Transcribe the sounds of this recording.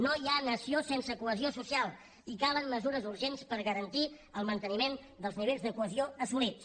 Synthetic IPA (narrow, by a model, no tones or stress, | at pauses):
nojanəsiosensəkuəziosusialˠ | ikalənməzuɾəzuɾʒenspəɾɣəɾənt̪i | əlˠmənt̪ənimen | d̪əlˠzniβ̞eʎʲzðəkuəzioəsulis